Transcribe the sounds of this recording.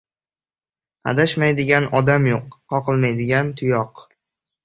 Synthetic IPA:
a̰d̪aʃmajd̪ɪɡʲanɒd̪amjoqːɒqɨlˠmajd̪ɪɡʲant̪ʰʊjɒq

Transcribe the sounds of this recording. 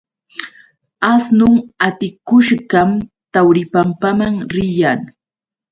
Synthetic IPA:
asnʊŋat̪ɪkʊʃɢɑm | t̪awɾɪpampamaŋɾɪjaŋ

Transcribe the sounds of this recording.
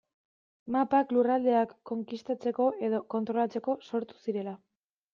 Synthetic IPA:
mapaklurald̪e̞akːo̞ŋkist̪at͡se̞ko̞ʔe̞ðo̞ko̞nt̪ɾo̞lat͡se̞ko̞so̞ɾt̪u̥siɾe̞la

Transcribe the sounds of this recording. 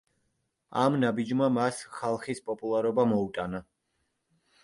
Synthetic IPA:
amnabid͡ʒmamasχalˠχispʼɔpʼulˠaɾɔbamɔut̪ʼana

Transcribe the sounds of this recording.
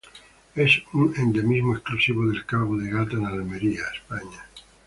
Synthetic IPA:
esuŋend̪emizmoesklusiβoðelkaɣoðeɣat̪aenaalmeɾiaespaɲa

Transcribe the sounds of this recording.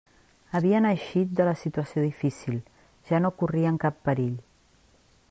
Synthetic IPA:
əβ̞iənəʃit̪̚d̪ələsit̪uəsioðifisilˠ | ʒ̥anokuriəŋkapːəɾiʎ

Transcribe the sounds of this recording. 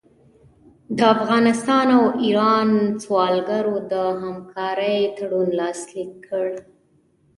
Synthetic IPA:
d̪əafɣɑnɪst̪ɑnawiɾɑnt͡swɑlɡaɾod̪əɦamkʰɑɾəjt̪aɽunlɑslikʰːəɽ

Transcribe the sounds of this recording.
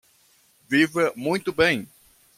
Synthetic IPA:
vivɐmũj̃t̪ʊbẽj̃

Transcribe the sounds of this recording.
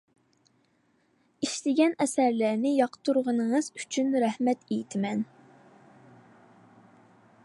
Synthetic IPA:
iʃlɪɡʲɛnɛsæɾlæɾnɪjɑqʰə̥t̪ʰuɾʁənəŋɨz̥y̥t͡ʃʰynɾɛhmɛt̪ejit̪ʰɪmɛn

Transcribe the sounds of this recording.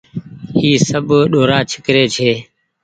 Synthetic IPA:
ɦiːsəbʱɗoːɾaːt͡ʃʰɪkɾeːt͡ʃʰeː

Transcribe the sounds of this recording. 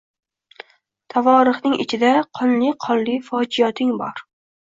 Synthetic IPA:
t̪ʰavɒɾɨχnɪŋʔɪ̰t͡ʃʰɪd̪aqʰɒnlɪqʰɒnlɪfɒd͡ʒijɒt̪ʰɪŋbɒ̰ɾ

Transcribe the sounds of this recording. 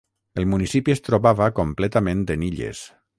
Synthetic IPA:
əlˠmunisipiest̪ɾoβaβakomplɛt̪amẽnd̪eniʎḛs

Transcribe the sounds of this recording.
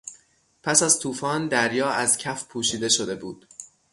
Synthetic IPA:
pʰæsæzt̪ʰuːfɒːnd̪æɾjɒːæzcʰæfpʰuːʃiːd̪e̞ʃod̪e̞buːd̪̥

